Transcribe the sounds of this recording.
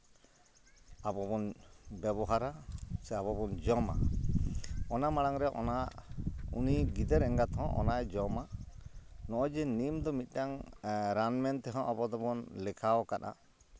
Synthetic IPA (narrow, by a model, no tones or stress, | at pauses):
abɔbɔnbɛbɔɦaɾasɛabɔbɔnd͡ʒɔma̰ | ɔnamaɽaŋɾɛʔɔ̰na | ṵniɡid̪ɛɾɛŋɡat̪ɦɔ̃ʔɔ̰najd͡ʒɔma | nɔʔɔd͡ʒɛnimd̪ɔmit̪̚ˀʈaŋɾanmɛnt̪ɛɦɔ̃ʔabɔd̪ɔbɔnlɛkʰawkaɗa̰